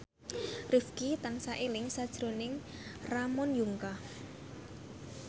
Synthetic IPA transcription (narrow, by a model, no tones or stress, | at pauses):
rifkit̪ansaʔelɪŋsad̥ʒ̥ɾonɪŋramɔnjuŋka